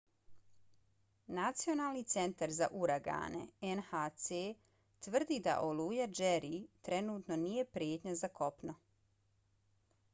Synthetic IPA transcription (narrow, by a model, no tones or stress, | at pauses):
nat̪sijo̞naːlnit̪se̞nt̪aɾza̰ʔuɾaɡa̰ːnḛenhat̪se | t̪ʋr̩d̪iːd̪a̰ʔo̞lˠuːjad͡ʒeɾit̪ɾe̞nuːt̪no̞nije̞pɾjeːt̪ɲazakʰo̞pno